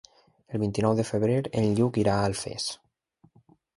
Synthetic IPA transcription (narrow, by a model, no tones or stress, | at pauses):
əlˠβint̪inɔwðəfəβɾeɾelʎukiɾaəlˠfḛs